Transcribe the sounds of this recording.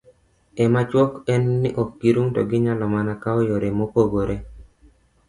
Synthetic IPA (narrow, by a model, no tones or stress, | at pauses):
ɛmat͡ʃwɔkɛnːɪʔɔkːiɾuŋtɔɡɪɲalɔmanakaɔjoɾemopoɡoɾʔe